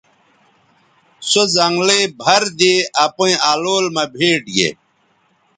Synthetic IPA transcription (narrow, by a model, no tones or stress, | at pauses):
sozɐŋɡlebʱɐɾd̪eːɐpõĩaːloːlmɐbʱeːʈɡḛ